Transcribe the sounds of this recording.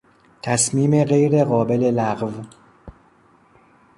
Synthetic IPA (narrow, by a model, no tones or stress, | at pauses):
t̪ʰæsmiːmeɣe̞jɾe̞ɣɒːbe̞le̞læɣv